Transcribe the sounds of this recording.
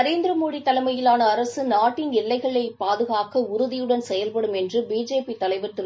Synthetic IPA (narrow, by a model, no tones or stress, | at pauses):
ɐɾeːnd̪ɾɐmoːɽit̪ːɐlɐmɐjɪlaːnɐːɾɐsɯnaːʈːɪnɛɭːɐɪɣɐɭɐɪpːaːðɯɣaːkɐʊɾʊðɪjɯɽɐnsɛjɐlpɐɽɯmɛndrɯbiːd͡ʒeːpit̪ːɐlɐɪʋɐt̪ːɯɾ